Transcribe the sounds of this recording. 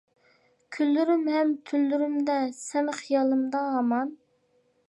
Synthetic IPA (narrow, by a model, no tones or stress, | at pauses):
kʲʰylːyɾymɦɛmt̪ʰylːyɾymd̪ɛsɛnχijɑlˠɨmd̪ɑɦːmɑn